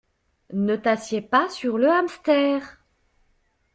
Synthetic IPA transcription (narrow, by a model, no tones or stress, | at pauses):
nət̪asjepasyʁləamst̪ɛːʁ